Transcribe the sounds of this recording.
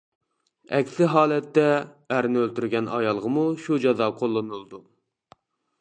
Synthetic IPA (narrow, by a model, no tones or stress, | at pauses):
ɛ̰kʲsɪɦɑːlˠɛt̪ːɛː | ɾnɪølt̪yɾɡʲɛnɑ̰jɑlˠʁəmuʃud͡ʒɑzɑqʰolˠːɨnɨlˠd̪u